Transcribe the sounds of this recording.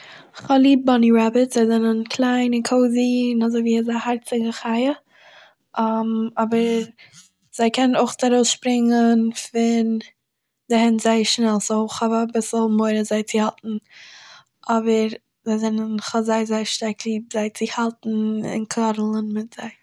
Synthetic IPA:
χalˠiːb̚bɔniɹabətz̥aɪzɛnənkʰlˠaɪnɪkʰoʊzinazoviːɪzahaɾt͡sɪɡəχaɪə | ʔamɔbəɾ | z̥aɪkʰɛnnoʊχt͡saɾoʊsʃpɾɪŋənfɪn | dɪhɛntz̥aɪəʃnɛlˠsoʊχavabɪsl̩ˠmoɪɾəzaɪt͡sɪhaltn̩ | ʔɔbəɾ | zaɪzɛnənχɔzaɪzaɪʃtaɾkʰlˠiːb̚zaɪt͡sɪhalˠtn̩ɪ̰nkʰlɔɾl̩ˠənmɪtz̥aɪ

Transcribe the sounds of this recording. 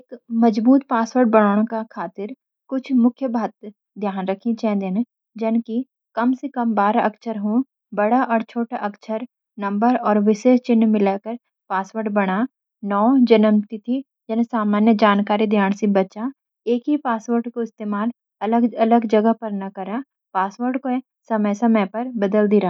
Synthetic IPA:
kmɐd͡ʒbuːt̪̚paːswəɾɖ̚bɐɽ̃aːɽ̃õkakʰaːt̪ɪɾ | kʊt͡ʃʰmʊkʰjəbʱaːt̪ | d̪ʱjaːnɾɐkʰĩt͡ʃɛ̃ːnd̪ene | d͡ʒɐnki | kɐmsekɐmbaːɾaɐksəɾɦõ | bɐɽaʔɔːɾt͡ʃʰoːʈaʔɐksʰəɾ | nɐ̃mbəɾɔːɾʋɪʃeːʃt͡ʃɪnːmɪlakəɾ | paːsʋəɾɖbɐɽ̃a | nɔːd͡ʒɐnəmt̪it̪ʰi | d͡ʒɛnesaːmaːnjəd͡ʒaːnkaːɾid̪ʱjaːnsibɐtːʃa | eːkɦipaːsʋəɾɖkoɪst̪eːmaːl | ɐləɡɐləɡd͡ʒɐɡəpɐɾnɐkɐɾa | paːswəɾɖko | sɐməjsɐməjpɐɾbɐd̪əld̪iɾaː

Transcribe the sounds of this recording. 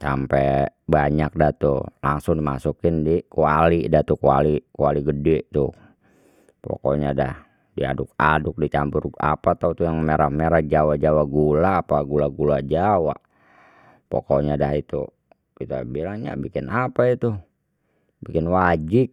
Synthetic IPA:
sa̰mpɛbaɲak̚daht̪ṵlaŋsʊŋdimasukɪndikualidat̪ukua̰likualiɡədɛt̪u | pɔ̰koɲadah | dia̰dʊk̚adʊk̚dit͡ʃambʊra̰pat̪aut̪ujaŋmeɾahmeɾahd͡ʒawad͡ʒawaɡulaːpaɡulaɡulad͡ʒawa̰ʔ | pɔ̰koɲadaɦit̪ṵ | it̪uabilaŋɲa̰bikɪnapait̪u | bikɪnwad͡ʒik̚

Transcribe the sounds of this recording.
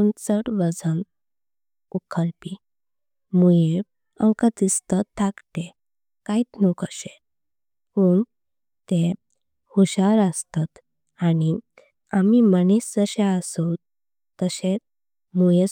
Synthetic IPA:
unt͡səʈʋəd͡zən | ukʰəɾpi | muje | ə̃wkat̪ist̪ət̪ʰːakʈe | kait̪nukʰəɕe | puɳ | t̪e | huɕaɾəst̪at̪ | aɽi | amimənisd͡zəɕẽəso | t̪ːəɕe | muje

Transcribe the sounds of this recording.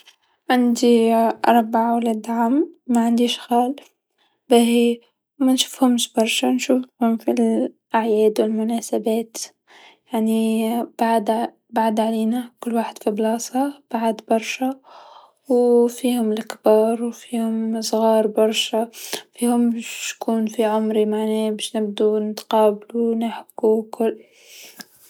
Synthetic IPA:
ʕɪnd̪iʔɑɾˤbaʕawlad̪aʕammaʕɪnd̪iʃɣaːl | bahi | manʃu̥ːfhʊmʃbɑɾˤʃanʃuːfhʊmfil | ʔaʕjeːd̪wɪlmʊnaːsabeːt̪ | jaʕnib̥aʕd̪ | baʕd̪ʕaleːnakʊlːwaːħɪd̪̥fiblɑːsˤɑb̥aʕd̪bɑɾˤʃa | wfiːhʊmɪlʔkbɑːɾˤwfiːhʊmsˤɣɑːɾˤbɑɾˤʃafiːhʊmʃkuːnfiʕʊmɾimaʕneːbeʃnɪb̚d̪unt̪qɑːblunaħɪbkukʊl

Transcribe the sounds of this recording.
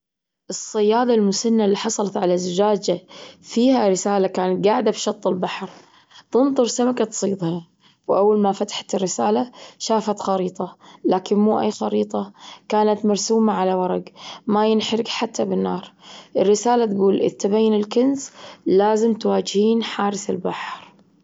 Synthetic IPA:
ʔɨsˤːɑjːaːd̪ˤalmʊsanːalːiːħɑsˤɑlɑt̪ʕalazɪd͡ʒaːd͡ʒafiːhaɾɪsaːlakaːnɡaʕd̪abʃɑt̪ˤːɪlbɑħɾ | t̪ɨnðˤʊɾsamakat̪sˤiːd̪ˤhɑ | wʔawːalmafat̪ḁħḁt̪ɪrːɪsaːlaʃaːfat̪xɑɾiːt̪ˤɑlaːkɪnmuːʔa̰jːxɑɾiːt̪ˤɑkaːnat̪mɑɾˤsuːmaʕalawɑɾˤɑɡmajɪnħɾɪɡħat̪ʰːabɪnːɑːɾˤʔɪrːɪsaːlat̪ɡuːlʔɪ̰t̪ːabajːnɪlkʊnslaːzɪmt̪waːd͡ʒhiːnħaːɾɪθɪ̰lbaħɾ

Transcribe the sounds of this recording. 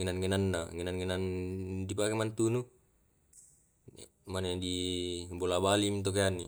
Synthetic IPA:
ŋɛnanŋenanːaŋenanŋenandipakemant̪unu | manedibolabalimit̪̬ok̬ejanːi

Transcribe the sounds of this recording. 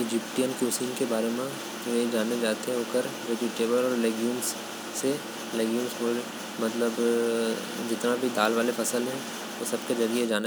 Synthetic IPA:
ɪd͡ʒɪp̚ʈijənkjoːsiːnkebaːɾemẽ | ʋed͡ʒaːned͡ʒaːt̪eɦɛ̃ʊkəɾɾeːd͡ʒɪʈeːbəlɔːɾlɛːɡjũːmsː | e | lɛːɡjuːmsoːɾ | mɐt̪ləb | d͡ʒɪt̪nabʱid̪aːlʋaːlefʰɐsəlɦɛ̃ | ʋosɐb̚ked͡ʒɐɾied͡ʒaːne

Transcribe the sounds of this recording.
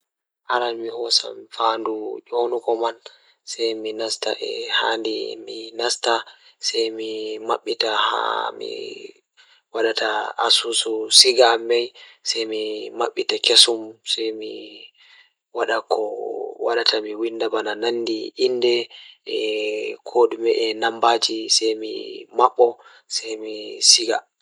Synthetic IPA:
ʔaɾanmihɔsa̰mfandud͡ʒonukɔman | sɛjminasta̰ʔɛ̰ha̰ndḭminastasɛjmima̰ɓːitaha̰mḭ | waɗataa̰sususiɡamɛjsɛjmimaɓːitakesumsɛjmi | waɗakʰɔwaɗatʰamiwinːdabanananːdiindɛɛkʰoɗumɛʔɛnambad͡ʒisajmḭmaɓːɔ | sɛjmisiɡa̰

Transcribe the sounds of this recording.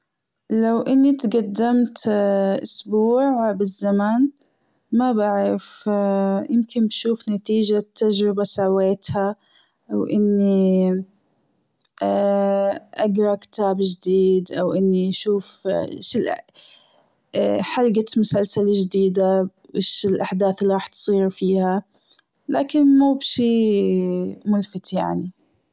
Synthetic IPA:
lawʔɪnːit̪ɡad̪ːamt̪ʔʊ̰sbuːʕbɪzːaman | mabaʕɾɪf | jɪmkɪnbʃuːfnat̪iːʒat̪ːaʒɾɪbasaweːt̪ha | ʔawʔɪnːi | ʔaɡɾˤɑkɪ̥t̪aːbd͡ʒd̪iːd̪ʔawʔɪnːiʃuːfʃɪlʔ | ħalɡat̪mʊsalsalʒd̪iːd̪a | bɪʃɪlʔaħd̪aːθɪlːiɾˤɑːħt̪sˤiːɾfiːha | laːkɪnmuːbʃiː | mʊlfɪt̪jaʕni

